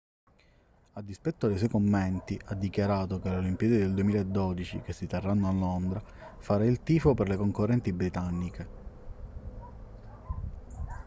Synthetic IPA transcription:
ad̪ːispɛt̪ːoajs̬ɛjkomːent̪iʔad̪ːikjaɾaːt̪okelolimpijeːd̪ed̪eld̪uemiːlaed̪ːod̪it͡ʃikesːit̪erːanːoalːond̪ɾa | faɾailt̪iːfoperlekoŋkorːɛnt̪ibɾit̪anːike

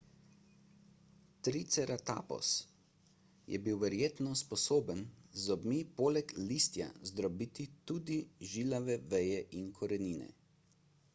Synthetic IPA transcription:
t̪ɾit̪sɛɾat̪a̰ːpɔ̰s | jʔɛ̰biwʋɛɾjeːt̪nɔspɔsoːbənzɔbmiːpoːlɛkliːst̪ja̰zd̪ɾɔbiːt̪it̪uːd̪iʒilaʋɛʋɛjɛʔinkʰɔɾɛniːnɛ̰

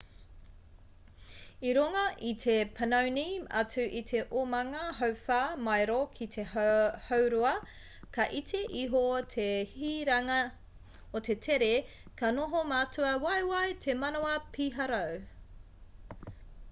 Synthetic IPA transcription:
iɾoŋɐʔit̪ʰepʰɐnɐwniɐ̰t͡sʉʔit̪ʰe̞ʔomɐŋɐɦɐwfaːmɐjɾokʰit̪ʰehowɾuɐ | kʰɐʔit̪ʰeʔiɦotʰehiɾɐŋɐ | ot̪ʰe̞t̪ʰeɾe | kʰɐnoɦomaːtʰuɐwɐjwɐjtʰemɐnoɐpʰiɦɐɾɐw

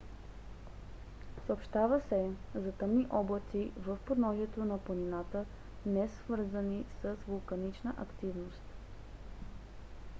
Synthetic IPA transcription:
səopʃt̪avəsɛzɐt̪əmniʔɔblˠət̪ivəfpod̪nɔzʲɛt̪onɐpləninat̪ə | nɛsvɤɾzənisəsvolˠkɐnit͡ʃnəʔɐkt̪ivnost̪

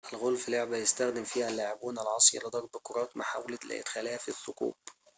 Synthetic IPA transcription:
ʔɪlɣʊlfɪlʊʕbajɪst̪æxd̪ɪmfiːhælːaːʕɪbuːnalʕɑːsˤjɑ̰lɨd̪ˤɑɾˤbkʊɾˤɑːt̪maħawllɪ̰ʔɪ̰d̪xæːlæhæfiθːʊqṵːb̥

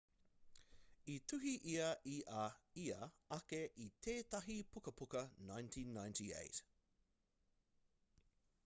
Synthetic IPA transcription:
itʰʉɦiʔiɐʔiʔɐiɐɐkeʔit̪ʰeːt̪ɐɦipʰukɐpukɐnajntʰĩːnːãjntʰiḛɪt

